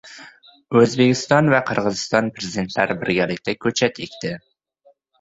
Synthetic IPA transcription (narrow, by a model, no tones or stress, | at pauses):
øzbekʲist̪ɒnvɛqʰəɾʁəzɨst̪ɑnpɾezid̪ent̪ʰlæɾɪbɪɾɡʲælɪkʲt̪ʰɛkʲʰɵt͡ʃʰɛt̪ʰekʲt̪ʰɪ